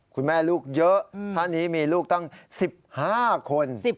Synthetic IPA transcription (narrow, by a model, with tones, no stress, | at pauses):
kʰu˧nmɛː˥˩luː˥˩k̚jɤ˦˥ʔt̪ʰaː˥˩nːiː˦˥miː˧luː˥˩k̚t̪a˥˩ŋsi˨˩p̚haː˥˩kʰo˧n˨˩